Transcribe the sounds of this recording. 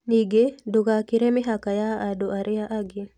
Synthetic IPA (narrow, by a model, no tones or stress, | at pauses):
niɡedoɡakɪɾemɪɦakajaadoʔaɾʔɪaʔaɡɪ